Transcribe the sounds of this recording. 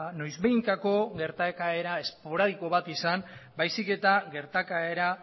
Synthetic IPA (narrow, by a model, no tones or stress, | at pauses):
no̞jzβeiŋkako̞ɣe̞ɾt̪aekae̞ɾae̞spo̞ɾað̞iko̞β̞at̪isanbajsike̞t̪aɣe̞ɾt̪akaeɾa